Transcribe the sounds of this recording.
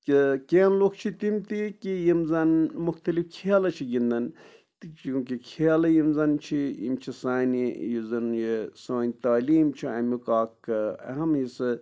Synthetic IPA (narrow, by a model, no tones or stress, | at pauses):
kikeːnlokt͡ʃʰit̪imt̪ikijimzɐnmuxt̪ɐlifkʰeːlɐt͡ʃʰiɡind̪ɐn | t͡ʃũːkikʰeːlɐjimzɐnt͡ʃʰijḭmt͡ʃʰisaːnijizɐnjesaːnʲt̪aːliːmt͡ʃʰiɐ̰mikaːkːɨɐ̰ɦɐmɦisɨ